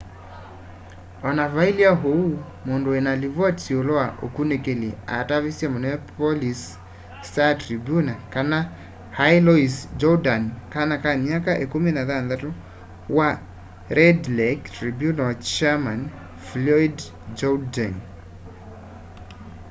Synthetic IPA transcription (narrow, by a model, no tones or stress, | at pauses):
ɔnavailiaɦou | mondoenalivɔtsioloaʔo̰kunekelia̰tavisjamɔnɛɛpolis | tatɾibjunakana | hajlɔisd͡ʒɔdankanakamjakaʔekuminaðanðato | wa | ɾɛdlɛktɾibjunɔt͡ʃaman | flɔid | d͡ʒɔdan